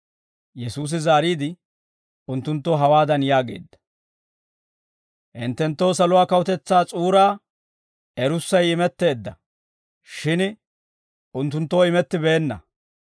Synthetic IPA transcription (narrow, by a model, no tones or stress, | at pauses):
jɛsuːs̬ɪzaːɾiːd̪ɪ | ʊnt̪ːʊnt̪ːoːɦɐwaːd̪ɐnjaːɡe̞̰ːd̪ːɐ̥ | ʔɪnt̪ːɛnt̪ːo̞ːs̬ɐlʊwaːkɐwʊt̪ɛt͡sːaːt͡sʼuːɾaː | ɛɾʊsːɐjɪmɛt̪ːe̞ːd̪ːɐ̰ | ʃɪn | ʊnt̪̬ːʊnt̪ːoːɪmɛt̪ːɪbe̞ːnːɐ̰